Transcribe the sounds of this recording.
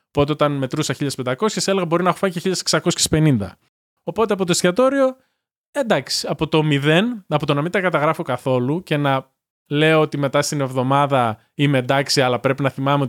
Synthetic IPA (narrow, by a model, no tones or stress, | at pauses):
po̞t̪eot̪ɐnme̞t̪ɾusɐçiʎɐspend̪ɐko̞sçeseleɣɐbo̞ɾinɐexofɐɲiceçiʎːɐseksɐko̞sçe̥spe̞nind̪ɐ̰ | o̞po̞t̪eɐpo̞t̪oscɐt̪o̞ɾio̞ | end̪ɐksi̥ɐpo̞t̪o̞miðe̞nɐpo̞t̪onɐmint̪ɐkɐt̪ɐɣɾɐfo̞kɐθo̞luce̞nɐ | le̞oot̪ime̞t̪ɐst̪ine̞vðo̞mɐðɐ | imend̪ɐksiɐlɐpɾe̞pinɐθimɐme̞o